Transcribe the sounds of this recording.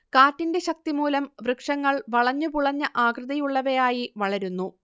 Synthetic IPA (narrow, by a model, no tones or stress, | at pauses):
kaːtːinde̞ɕɐk̚t̪imuːlɐmʋrɨkʂɐŋːɐɭʋɐɭɐɲːupuɭɐɲːɐʔaːkrɨðɐjuɭːɐʋɐjaːjiʋɐɭɐɾunːu